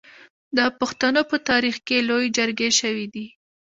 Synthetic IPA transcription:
d̪əpuxt̪anopət̪ɑɾixkelojd͡ʒəɾɡeʃəwid̪i

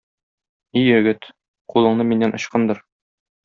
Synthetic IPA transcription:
ijɘ̆ɡɘt̪ | qulˠɤ̆ɴnɤminːænʔɒ̆ɕqɤnd̪ɤ̆ɾ

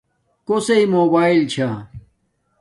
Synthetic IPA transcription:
koseimoːbaːilt͡ɕʰa

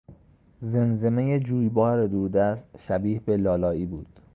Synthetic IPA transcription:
ze̞nze̞mejed͡ʒuːjbɒːɾed̪uɾd̪æst̪ʃæbiːhbe̞lɒːlɒːiːbuːd̪̥

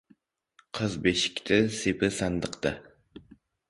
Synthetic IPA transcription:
qʰəzbeʃɪ̥kʲt̪ʰɪsepʰɪsand̪əqt̪ɨ

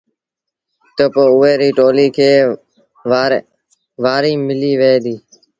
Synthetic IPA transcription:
t̪opoːʊeːɾiːʈoːliːkʰeː | ʋaːɾiːmɪliːʋeːd̪iː

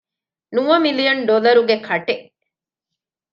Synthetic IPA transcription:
nuʋɐmilijɐnɖolɐɾuɡekʰɐʈe

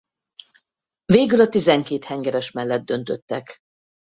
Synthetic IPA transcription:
veːɡylɒt̪izɛŋkeːt̪hɛŋɡɛɾɛʃmɛlːɛd̪̚d̪ːø̞n̪t̪ø̞t̪ːɛk

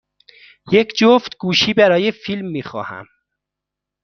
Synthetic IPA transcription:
jekd͡ʒoft̪ɡuːʃiːbæɾɒːjefilmːiːxɒ̰ːhæ̰m

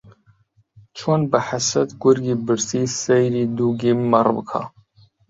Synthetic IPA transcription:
t͡ʃʰonbaħasɐt̪ɡʊɾɡiːbɨɾsiːsejɾiːd̪uːɡimmɐrˤbɨ̰kʰa̰

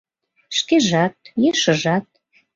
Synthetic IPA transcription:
ʃkeʒɑt̪̚jeʃəʒɑt̪̚

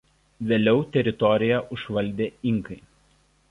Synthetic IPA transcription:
ʋʲeːlʲɛʊt̪ʲɛɾʲɪt̪ɔɾʲɪjɛʔʊʃʋɐlʲˑd̪ʲeːɪŋkɐɪ

